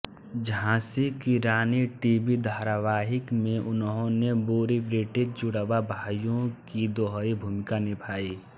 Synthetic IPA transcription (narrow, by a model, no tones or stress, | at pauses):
d͡ʒãːsikiɾaːniʈiːbid̪ʱaːɾʋaːɦɪkmẽʔʊnɦõnebuːɾibɾɪʈɪd͡ʒd͡ʒʊɽəbabʱaːjõkid̪oːɦɾibʱuːmɪkanɪpʰaːiː